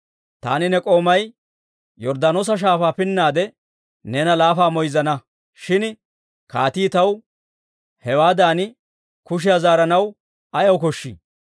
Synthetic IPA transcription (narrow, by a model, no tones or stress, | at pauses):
t̪a̰ːnɪnɛkʼo̞ːmɐj | jɔɾd̪anoːs̬ɐʃ̬aːfaːpɪnːaːd̪ɛ | nɛnɐlaːfaːmɔjzɐnɐ | ʃɪn | kaːt̪iːt̪ɐw | hɛwaːd̪aːnɪ | kʊʃ̬ɪjazaːɾɐnɐw | ɐjɐwkɔʃːḭː